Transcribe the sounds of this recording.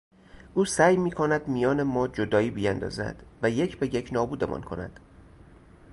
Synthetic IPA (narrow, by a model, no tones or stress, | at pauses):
ʔuːsæːjmiːkʰonæd̪mijɒːnemɒːd͡ʒod̪ɒːiːbijænd̪ɒ̰ːzæ̰d̪̥væjecʰbejecʰnɒːbuːd̪e̞̰mʔɒ̰ːnkʰonæ̰d̪̥